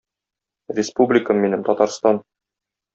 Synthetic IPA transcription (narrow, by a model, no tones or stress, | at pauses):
rʲɪspublʲɪkəmːinɘmt̪ɒt̪ɑɾst̪ɑn